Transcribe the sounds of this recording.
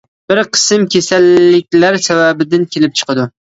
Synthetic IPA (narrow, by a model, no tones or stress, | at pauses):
b̥ɪɾqʰɨ̥sɨmkʲʰesalːɪkʲlaɾsavabɪd̪ɪnkʲʰelɪp̚t͡ʃʰɨ̥qɨd̪ʊ